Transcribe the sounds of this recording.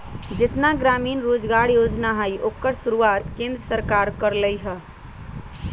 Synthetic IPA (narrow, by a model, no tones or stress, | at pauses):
d͡ʒet̪naɡɾaminɾod͡ʒɡaɽjod͡ʒnaɦəjokːəɾsuɾuat̪kẽnd̪ɾəsəɾkaɾkəɾləjɦə